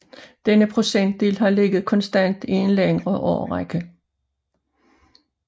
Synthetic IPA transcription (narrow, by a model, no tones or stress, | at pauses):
d̥enəpʰʁo̝sen̰d̥̚ḛːlɦɑ̈le̝ɡ̥ð̩ˠkʰɒ̽nsd̥æn̰d̥ie̝nleŋʁɐʔɒːʁaɡ̥ə